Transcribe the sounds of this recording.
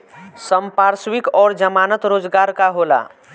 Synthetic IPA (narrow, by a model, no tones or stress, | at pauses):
səmpaːɾswɪkɔːɾd͡ʒəmaːnət̪ɾoːd͡ʒɡaːɾkaɦoːla̰ː